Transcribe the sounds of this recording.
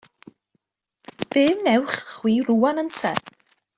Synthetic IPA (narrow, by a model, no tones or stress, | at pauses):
v̥ɨːmnɛwχχwiːruːanəntʰɛ̰